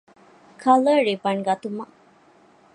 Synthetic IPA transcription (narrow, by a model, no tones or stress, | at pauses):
kʰɐləɾibɐɳɡɐt̪umɐ